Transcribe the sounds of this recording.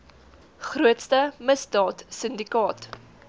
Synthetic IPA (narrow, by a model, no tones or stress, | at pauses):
χruətstəməsdɑːtsəndikɑːt